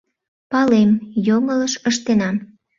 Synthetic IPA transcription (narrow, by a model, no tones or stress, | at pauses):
pɑlemjoŋələʃəʃt̪enɑm